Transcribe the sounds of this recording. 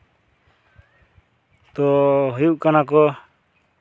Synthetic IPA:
t̪ɔɦɔjuʔkanakɔ

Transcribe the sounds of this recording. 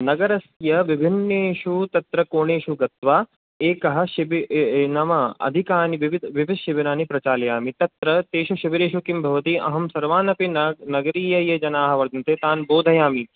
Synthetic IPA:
nɐɡɐɾɐsjɐʋibʱinːeːʃut̪ɐt̪ɾɐkoːɳeːʃuɡɐt̪ʋaː | eːkɐɦɐ̆ʃibinɐmɐɐ̰d̪ʱikaːniiʋid̪ʋiʋid̪ʃiʋinaːnipɾɐt͡ʃaːlɐjaːmit̪ɐt̪ɾɐt̪eːʃuʃɐʋiɾeːʃukimbʱɐʋɐt̪iʔɐ̰ɦɐmsɐɾʋaːnɐpinɐnɐɡɐɾiːjɐjɐd͡ʒɐnaːɦɐ̆ʋɐɾd̪ʱɐnt̪eːt̪aːnboːd̪ʱɐjaːmi

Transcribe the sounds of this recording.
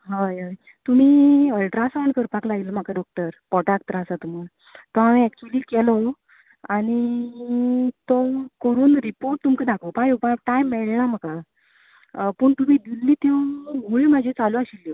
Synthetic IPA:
ɦajɦaj | t̪um̤iːəlʈɾasawɳkəɾpaklaɡilm̤akaɖɔk̚ʈəɾpɔʈakt̪ɾasat̪um̤a | t̪ɔɦaʋĩɛk̚t͡ɕuliːkɛlɔ | aɽ̃i | t̪ɔkəɾuːnɾipoɾʈ̚t̪umked̪ʱakʰopãjopãʈajmːɛɭnam̤əka | pəːɳt̪um̤iːd̪ilːiːt̪ewɡuɭimad͡ʑʱit͡saluaɕilːo

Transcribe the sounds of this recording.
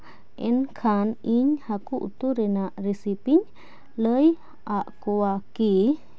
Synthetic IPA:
ɛnkʰaniɲhakuʔṵt̪uɾɛnaʔɾisipiɲ | ləj | aʔkuwaki

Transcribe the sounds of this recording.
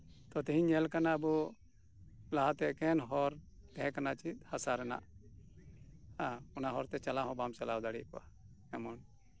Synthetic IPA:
t̪ɔt̪iɦĩɲɛlkanabu | laɦat̪ɛkɛnɦɔɾ | t̪ɛɦɛ̃kanat͡ʃihasaɾɛna̰ʔ | hãɔnaɦɔɾt̪ɛt͡ʃalaɦɔ̃bamsɛlawd̪aɽiʔkɔʔa̰ | ɛmɔn

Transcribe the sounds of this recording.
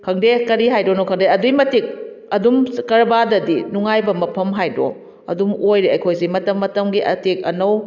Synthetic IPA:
kʰɐŋdekɐɾiɦajdonowkʰɐŋdeɐdujmɐtik̚ | ɐdumkɐɾbadɐdinuŋajbɐmɐpʰɐmɦajdo̰ | ɐ̰dumojɾeɐjkʰojsimɐtɐmːɐtɐmɡiʔɐ̰tik̚ɐnɐw

